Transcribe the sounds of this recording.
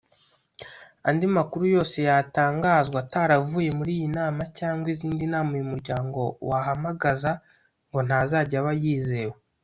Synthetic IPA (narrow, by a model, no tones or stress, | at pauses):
andimakuɾujo̞ːse̞jataːŋɡaːzɡwataɾavuːje̞muɾiːjinaːmacaːŋɡwiziːndinaːmaijumuɾɟaːŋɡo̞̰waɦamaɡaza | ŋɡo̞n̥hazaːɟaβajiːze̞ːwe